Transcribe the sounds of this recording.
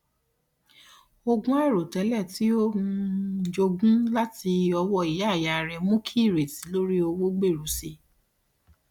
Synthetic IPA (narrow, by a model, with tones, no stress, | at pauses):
o˧ɡũ˦ɛ˦˨ɾo˨tɛ˨˦lɛ˦˨ti˦o˦ũ˧˨˦d͡ʒo˧ɡũ˦la˦ti˧ɔ˧wɔ˧˨i˨ja˦˨ja˨ɾɛ˧mũ˦kʰi˦˨ɾe˨ti˨˦lo˦ɾi˦o˧wo˦ɡ͡be˦˨ɾu˨˦si˧